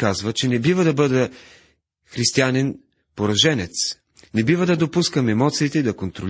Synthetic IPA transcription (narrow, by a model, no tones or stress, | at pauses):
kazvət͡ʃɛnɛbivəd̪ɐbɤd̪ə | xɾist̪ianɛn | poɾɐʒɛnɛt̪s | nɛbivəd̪ɐd̪opuskəmɛmɔt̪siːt̪ɛid̪ɐkont̪ɾol